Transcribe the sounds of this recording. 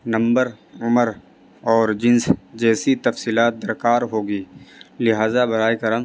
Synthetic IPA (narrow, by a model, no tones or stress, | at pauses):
nɐ̃mbəɾ | ʊməɾ | ɔːɾd͡ʒɪ̃nsd͡ʒɛːsit̪ɐfsiːlaːt̪̚d̪ɐɾkaːɾɦoːɡiːlɪɦaːzabɐɾaːikɐɾə̃ŋ